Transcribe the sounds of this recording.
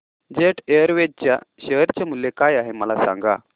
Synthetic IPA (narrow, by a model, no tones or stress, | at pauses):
d͡ʑeʈeəɾʋed͡ʑt͡ɕjaɕəɦɾt͡ɕamulːekajaɦeməlasa̰ŋɡa̰